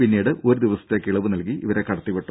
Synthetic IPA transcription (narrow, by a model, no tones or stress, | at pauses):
pinːiːɽɨʔo̞ɾud̪iʋɐsɐt̪ːe̞ːkːiɭɐʋɨnɐlkiʔiʋɐɾe̞kɐɽɐt̪ːipːeʈːu